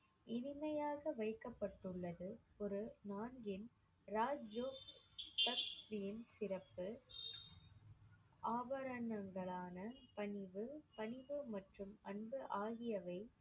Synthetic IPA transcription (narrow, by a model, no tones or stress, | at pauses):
ʔɪnɪmɐjaːɣɐʋɐɪkːɐpːɐʈːɯɭːɐðɯɔɾɯnaːnɡɪn | ɾaːd͡ʒoːt̪ɐktɪjɪnsɪɾɐpːɯ | ʔaːbɐɾɐnɐŋɡɐɭaːnɐpɐɳɪʋɯpɐɳɪʋɯmɐʈrɯmʔɐɳbɯʔaːɣɪjɐʋɐɪ